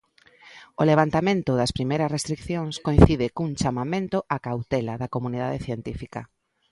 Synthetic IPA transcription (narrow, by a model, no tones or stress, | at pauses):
oleβant̪amẽnt̪ʊðɐspɾimejɾɐsrest̪ɾikθjoŋskoj̃θiðɪkuŋt͡ʃamamẽnt̪ʊʔakawt̪ɛlaðɐkomuniðaðeθjent̪ifikɐ